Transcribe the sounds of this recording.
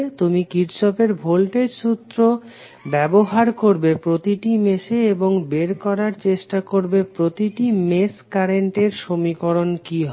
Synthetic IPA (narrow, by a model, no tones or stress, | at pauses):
t̪umikiɾt͡ɕɔpeɾbʱolʈeʃut̪ːɾo | bɛboɦaɾkoɾbepɾot̪iʈimeʃeeboŋbeɾkɔɾaɾt͡ɕeʃʈakoɾbepɾot̪iʈimeskaɾeɳʈeɾʃomikoɾonkiɦɔ